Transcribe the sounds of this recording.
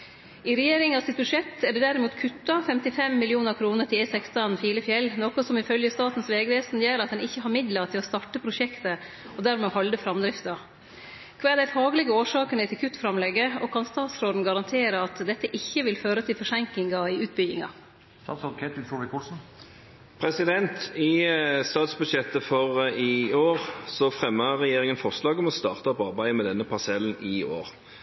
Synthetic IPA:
ɪɾɛjeːɾɪŋɑsɪt̪̚bʉʂɛt̪ːæɖɛd̪æɾɪmuːt̪kʰʉt̪ːɑfɛmt̪ɪfɛmːɪlɪuːnəɾkʰɾuːnəʈ̪ɪlɛsɛkst̪ɑnfiːləfjɛlːnɔːkɔsɔmɪfœljəst̪ɑːt̪n̩sʋeːɡəʋeːsn̩jæːɾɑt̪̚d̪ɛnɪçːəɦɑɾmɪd̪lɑɾt̪ʰɪlɔst̪ɑʈəpʰɾʊʂɛkt̪ə | ɔd̪æːɾmɛɔhɑld̪əfɾɑmd̪ɾɪft̪ɑ | kʰʋɑːd̪æɪfɑːɡlɪɡəoːʂɑːkənət̪ʰɪlkʰʉt̪ːfɾɑmlɛɡəɔkʰɑnst̪ɑːt̪sɾoːd̪n̩ɡɑɾɑnt̪ʰeːɾəɑt̪d̪ɛt̪ːəʔɪçːəʋɪlføːɾət̪ʰɪlfɔʂɛŋklɪŋɑɪʉːt̪̚bʏɡɪŋɑ̰ | st̪ɑːt̪sɾoːd̪kʰɛt̪ʋɪfuʋɪkʰulsn̩ | pʰʁɛsɪd̪ɛnt̪ɪst̪ɑːt̪sbʉd̪ʃɛt̪ːəfɔʁɪoːʁsɔfʁɛmːəʁɛjeːʁɪŋənfɔʁslɑːɡɔmɔst̪ɑːʁt̪əɑpɑʁbæɪmɛd̪ɛnːəpʰɑsɛln̩ɪo̰ːʁ

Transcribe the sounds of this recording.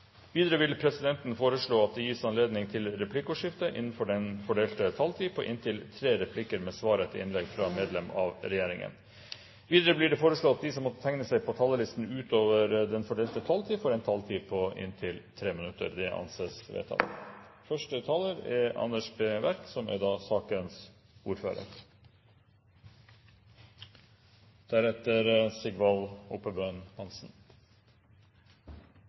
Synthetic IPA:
ʋiːd̪əɾəʋɪlpʰɾɛsɪd̪ɛnt̪nfoːɾəʂɭoːɑt̪̚d̪ɛjiːsɑnleːd̪nɪŋt̪ʰɪlɾɛpʰlɪkːəuʂɪft̪əʔɪ̰nːn̩fɔɖɛnfɔɖeːlt̪ət̪ʰɑlt̪ʰiːpʰɔʔɪ̰nt̪ʰɪlt̪ʰɾeːɾɛpʰlɪkəɾmɛsʋɑːɾət̪ʰɪ̰ɪnlɛɡfɾɑmeːd̪lɛmɑ̰ʋɾɛjeːɾɪŋə̰n | ʋiːd̪əɾəblɪːɖɛfoːɾəʂɭoːɑt̪̚d̪ɪsɔmɔt̪ːət̪ʰɛŋnəsæɪpʰɔt̪ʰɑːləlɪst̪n̩ʉːt̪ʰoːʋəɾd̪ɛnfɔɖeːlt̪ət̪ʰɑlt̪ʰiːfɔɾɛnt̪ʰɑlt̪ʰiːpʰɔʔɪ̰nt̪ʰɪlt̪ʰɾeːmənʉt̪ːə̰ɾd̪ɛʔɑ̰nseːsʋḛːt̪ʰɑ̰l̰ | fœʂʈət̪ʰɑːləɾɛɑ̰nːəʂbeːʋæɾksɔmæ̰ɾd̪ɑːsɑːkəns | uːɾfø̰ːɾə̰ɾ | d̪̥æɾɛt̪əɾsɪɡʋɑluːpəbønhɑnsn̩

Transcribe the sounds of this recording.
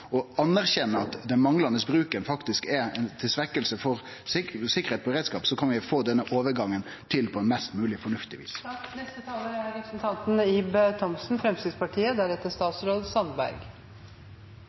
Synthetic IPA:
ɔɑnːæɾçɛnːəɑt̪d̪ɛnmɑŋlɑnəsbɾʉːkənfɑkt̪ɪskɛɾɛnt̪ʰɪlsʋɛkːəlsəfɔɾ | sɪkəɾheːt̪̚ʰpɔbɾeːd̪skɑːpsɔkʰɑnʋɪfoːd̪ɛnːəʔoːʋəɾɡɑŋːən | t̪ʰɪlpʰɔɛnmɛst̪mʉːlɪfɔɳʉft̪ɪʋḭːsnɛst̪ət̪ʰɑːləæɾɛpɾəsnt̪ʰɑnt̪n̩iːbt̪ʰɔmsn̩fɾɛmst̪ɪd̪spɑʈʰiːəd̪æɾɛt̪ːəst̪ɑːt̪sɾoːd̪sɑnbæ̰ɾɡ

